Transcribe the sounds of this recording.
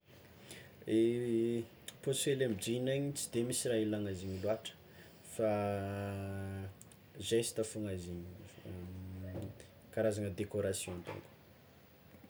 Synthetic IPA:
e | posfelemd͡ʒinaɲit͡sid̪emisirailaŋaziɲiluaʈ͡ʂə̥ | fa | zesi̥t̪afuŋaziɲ | kaɾazanəd̪ekoɾasjɔ̃ant̪o̰ŋk

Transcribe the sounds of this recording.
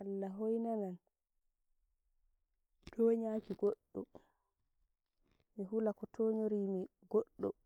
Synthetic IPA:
alːaɦojnanan | d̥ɔːɲakiɡoɗːɔ̰ | miɦulakɔtʰoːɲoɾimi | ɡoɗːɔ

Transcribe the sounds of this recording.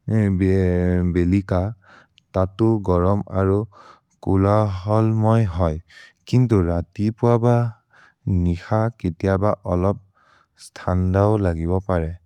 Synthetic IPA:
bbelika | tatʊɡɔɹɔma̰ɹu | kulaɦɔlmɔjɦɔjkintuɹatipʊaba | nixaketijabaʔɔlɔp̚ | stʰandaʊlaɡibɔpaɹɛ

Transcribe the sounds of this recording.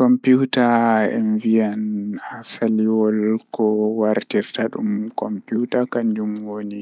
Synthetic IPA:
kɔmputaɛ̰nvijanasaliwɔlkɔwaɾtiɾtaɗumkɔmputakand͡ʒumwoni

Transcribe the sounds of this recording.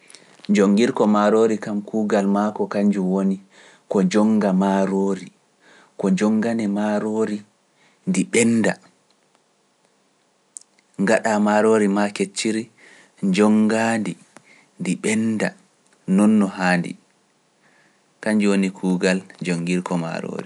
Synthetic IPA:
d͡ʒoŋɡiɾkɔmaɾoːɾikamkuːɡalmakɔkaɲd͡ʒuwoni | kɔd͡ʒɔŋɡamaɾoːɾi | kɔd͡ʒɔŋːɡanɛmaɾoːɾi | ndiɓɛnda | ŋɡaɗamaɾoːɾimaket͡ʃːiɾi | d͡ʒɔŋɡandi | ndiɓɛnda | nɔnːɔhaːndḭ | kaɲd͡ʒuwonikʰuːɡald͡ʒoŋɡiɾkɔma̰ɾo̰ːɾi

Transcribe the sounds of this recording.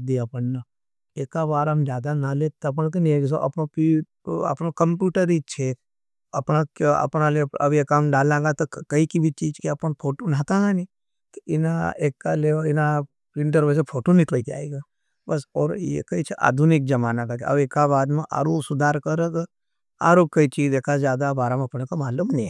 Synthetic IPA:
d̪iapɐnːa | eːkaβaːɾɦɐmd͡ʒjaːd̪analet̪ɐp̬nk̬enieɡs̬oʔɐpnopi | ɐ̰pnokɐmpjuːʈəɾit͡ʃʰe | ɐpnakɐ̰pnaleɐbʱjekamɖaːlãːŋɡat̪okɐikibʱit͡ʃiːd͡ʒkeɐpənpʰoːʈonaːt̪ãːɡani | t̪ɪnaeːkːaleɪna | pɾɪ̃ɳʈəɾbəs̬epʰoːʈonɪk̪leik̪a̰ːeɡa | bɐsɔːɾjḛkɐit͡ʃʰeʔa̰ːd̪ʱunɪk̚d͡ʒɐmaːnakat͡ʃʰeɐ̰beːkːabaːd̪mẽʔa̰ːɾusʊd̪ʱaːɾkɐɾəɡ | a̰ːɾokɐit͡ʃiːd͡ʒd̪eːkʰazjaːd̪abaːɾameɐpnekomaːlumnĩ

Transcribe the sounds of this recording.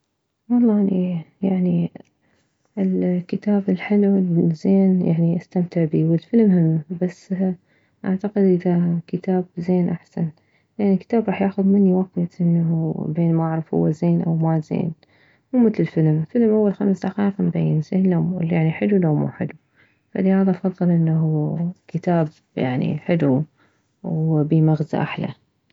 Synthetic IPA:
wɑlˤːɑːʔnijaʕni | ʔɪlkɪt̪aːbɪlħɪluzeːnja̰ʕniʔast̪amt̪ɪʕbiːwɪlfɪlmhɪmːbasː | ʔaʕt̪aqɪd̪ʔɪðakɪt̪ʰaːbzeːnʔaħsan | jaʕnikːɪ̥t̪aːbɾˤɑːħjaːxʊðmɪnːiwaft̪ʔɪnːaubeːnmaaʕɾˤɑfhʊ̰wːazeːnʔa̰wmazḛːn | muːmɪθlɪlfɪlmlfɪlmʔawːalxamsd̪axɑːfmbajːɪnzeːnlamjaʕniħɪlulamṵːħɪ̰lu | fa̰lɪhaːðaʔfɑðˤːɨlʔɪnːaɦukɪt̪aːb | ja̰ʕnḭħɪlu | wbimaɣza̰ʔa̰ħla̰

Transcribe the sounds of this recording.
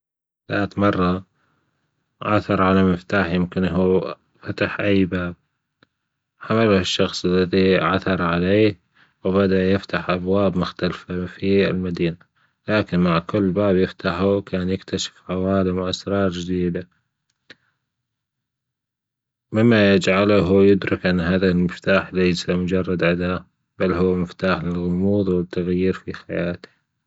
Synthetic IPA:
laːt̪mɑrˤːɑ | ʕaθɑɾˤʕalamɪft̪aːħjɪmkɪnɦuː | fat̪aħʔajːbaːb̚ | ħamaluhɪʃːɑxsˤɪlːaðiʕaθɑɾˤʕaleːh | wbad̪aʔjɪft̪aħʔabwaːbmʊxt̪alfafiɪ̰lmad̪iːna | laːkɪnmaʕkʊlːbaːbjɪft̪aħuwkʰaːnjɪkt̪ʰaʃɪ̥fʕawaːlɪmwʔasɾˤɑːɾˤd͡ʒɪd̪iːd̪a | mɪmːajɪd͡ʒʕalaɦujʊd̪ɾɪkʔɪnːɦaːðɪɪlmɪft̪aːħlajsamʊd͡ʒɑrˤːɑd̪ʕad̪a | b̥alːɦʊwːmɪft̪aːħlɪlɣʊmuːðˤwɪt̪ʰːaɣjiːɾfixajaːt̪ɪ̥

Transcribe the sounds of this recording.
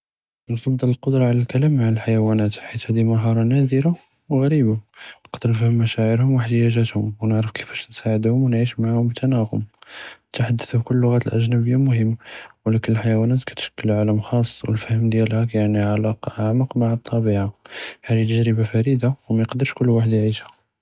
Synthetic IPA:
nfɑd̪ˤːələlqʊd̪ɾˤɑʕlælkælæmːaʕəlħajæwænæt̪ħit̪hæd̪iməɦɑɾˤɑnæd̪əɾa | wɣæɾibanəqd̪əɾnəfhəmːæʃæʕəɾhʊmwəħd̪əjæʒæt̪hʊmwnəʕɾəfkə̥fæ̥ʃnsaʕəd̪hʊmwnʕiʃmaʕahʊmbət̪ʰænæɣʊmət̪aħad̪ːəθbkʊlːʊɣæt̪əlʔæ̰ʒnæbəjːamʊhəmːwəlækənəlħajæwænæt̪kæ̥t̪ʃə̥kːəlʕaləmxɑsˤːwə̰lfæhəmd̪jælhækæjaʕniʕalɑqʔaʕmɑqmaʕət̪ˤːɑbiʕaħalit̪əʒɾəbafæɾid̪awmæjəqd̪əɾʃkʊlːwaħəd̪jʕiʃhæ

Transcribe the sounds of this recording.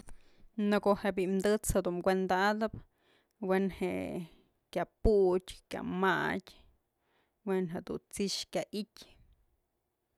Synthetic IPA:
nɨkoʔheʔbiʔmd̪ɨt͡shed̪umkʷend̪aʔd̪ɨp | wenheʔ | kʲaputʲkʲja̰matʲ | wenɦeʔd̪ṵnt͡siʃkʲaʔitʲ

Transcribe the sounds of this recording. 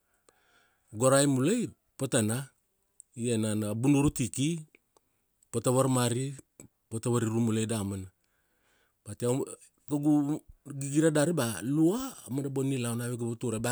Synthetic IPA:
ɡoɾajmulaj | potana | ienanabunuɾutiki | potaβaɾmaɾi | potaβaɾiɾumulejdamana | b̥atea | ɡaɡuɡiɡiɾadaɾibaluamandabonilawnaβeɡaβutuɾaba

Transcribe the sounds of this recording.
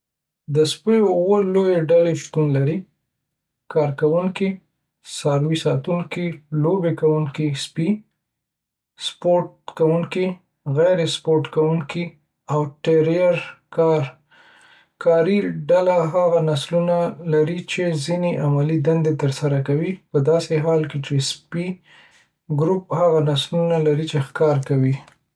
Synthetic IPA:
d̪əspəjwəlojeɖaleʃt̪unlaɾi | kɑɾkawuŋki | sɑɾwisɑt̪uŋkilobekawuŋkispi | spoʈ̚kawuŋki | ɣajɾespoɾʈkawuŋki | awʈeɾijaɾkɑɾ | kʰɑɾiɖalaɦaɣanaslunalaɾit͡ʃezineʔamalid̪and̪et̪əɾsaɾakawipəd̪ɑseɦɑlket͡ʃespi | ɡɾup̚haɣanaslunalaɾit͡ʃexkɑɾkawi

